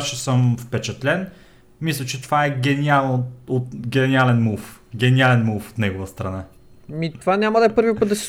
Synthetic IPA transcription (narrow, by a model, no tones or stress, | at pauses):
ʃɛsəmfpɛt͡ʃɛt̪lɛn | mislʲˠət͡ʃɛt̪ovaɛɡɛnialˠnoot̪ɡʲɛnialɛnmuf | ɡʲɛnialɛnmufo̥t̪nɛɡovəst̪ɾɐna | mit̪ovanʲaməd̪ɐɛpɤɾvipɤt̪̚d̪ɐs